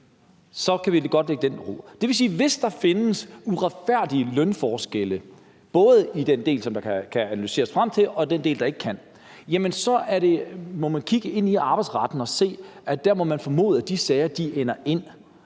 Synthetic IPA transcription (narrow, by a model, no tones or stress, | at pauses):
sɒ̽kʰæʋilɡ̥ɒ̽d̥leɡ̥əd̥enʁo̝̰d̥e̝ʋe̝s̬iːʋe̝sd̥ɑ̈fe̝nəsuʁɑ̈d̥fæɐ̰d̥iəlœnfɒːsɡ̥elə | b̥ɔ̽ːð̞̩ˠid̥end̥e̝̰ːlsɒ̽md̥ɑ̈kʰkʰæænælyse̝̰ːɐsfʁam̰t͡sʰe̝lɒ̽d̥ende̝̰ːld̥ɑ̈e̝ɡ̥kʰæn̰ | jæmənsɒ̽ʔæɐɾe̝mɒ̽mænkʰiɡ̥əe̝n̰iɑ̈b̥ɑ̈ɪdsʁɑ̈d̥n̩ɒ̽se̝̰ːæd̥æɐmɒ̽mænfɒ̽mo̝̰ːðˠəd̥isɛɪɐd̥iʔenɐʔe̝n̰